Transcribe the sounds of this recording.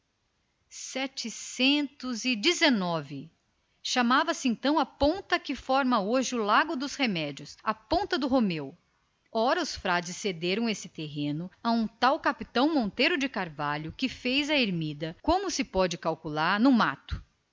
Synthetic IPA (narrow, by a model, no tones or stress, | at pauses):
sɛt͡ʃɪsẽnt̪ʊzɪd͡ʒɪzenɔvɪ | ʃamavɐsɪẽnt̪ɐ̃w̃ɐpõnt̪ɐkɪfɔɾmɐoʒɪʊlaɡʊd̪ʊshemɛd͡ʒiʊsɐpõnt̪ɐd̪ʊɦomew | ɔɾɐʊsfɾad͡ʒɪsːed̪eɾɐ̃w̃esɪt̪eɦẽnʊɐũt̪awkapit̪ɐ̃w̃mõnt̪ejɾʊd͡ʒɪkaɾvaʎʊkɪfejzɐeɾmid̪ɐkõmʊsɪpɔd͡ʒɪkawkulaɾnʊma̰t̪ʊ̥